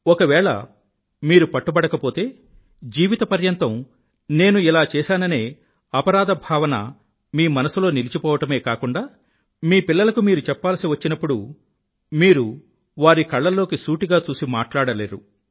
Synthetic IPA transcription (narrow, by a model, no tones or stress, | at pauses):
ɔkɐʋɛːɭɐ̰ | miːɾupɐʈːubɐɽɐkɐpo̞ːt̪e̞ː | d͡ʒiːʋit̪ɐpɐɾjɐnt̪ɐm | ne̞ːnuilaːt͡ʃɛːsaːnɐne̞ː | ɐpɐɾaːd̪ɐbʱaːʋɐnɐ̰ | miːmɐnɐsulo̞ːnilit͡ʃipɔːʋɐʈɐme̞ːkaːkuɳɖaː | miːpilːɐlɐkumiːɾut͡ʃɛpːaːlsiʋɐt͡ʃːinɐpːuɽu | miːɾu | ʋaːɾikɐɭːɐlo̞ːkisuːʈiɡaːt͡ʃuːsimaːʈlaːɽɐleːɾu